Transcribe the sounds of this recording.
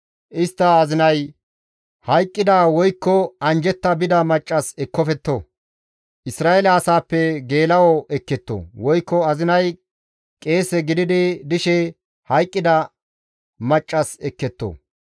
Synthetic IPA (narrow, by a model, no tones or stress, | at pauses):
ʔɪst̪ːɐːzɪnɐj | hɐjkʼːɪd̪awɔjkːɔɐnd͡ʒɛt̪ːɐbɪd̪ɐmɐt͡ʃʼːɐsɛkːɔfɛt̪ːo̰ | ʔɪsɾaːɛlɐːsaːpːɛɡe̞ːlɐwɔɛkːɛt̪ːo̰wɔjkːɔɐzɪnɐj | kʼe̞ːsɛɡɪd̪ɪd̪ɪd̪ɪʃɛ | hɐjkʼːɪd̪ɐ | mɐt͡ʃʼːɐsɛkːɛt̪ːo̰